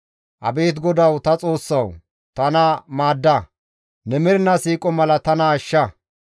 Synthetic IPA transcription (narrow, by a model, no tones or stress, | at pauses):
ʔɐ̰beːt̪ɡɔd̪ɐwt̪ɐt͡sʼo̞ːsːɐw | t̪ɐnɐmaːd̪ːɐ | nɛmɪɾɪnɐsiːkʼɔmɐlɐt̪ɐnɐːʃːɐ